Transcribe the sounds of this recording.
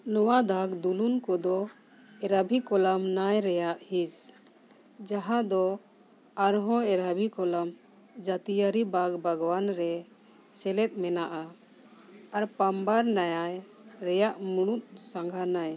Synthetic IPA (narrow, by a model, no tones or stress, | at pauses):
nɔwad̪ʱaɡd̪ulunkɔd̪ɔ | ɛɾabʱikɔlamnajɾɛjaʔhis | d͡ʒaɦãd̪ɔ | aɾɦɔ̃ɛɾabʱikɔlam | d͡ʒat̪ijaɾibaɡbʱaɡwanɾɛ | sɛlɛt̪̚ˀmɛnaʔa | aɾpambaɾnajaj | ɾɛjaʔmuɽ̃ut̪̚saŋɡʱanaj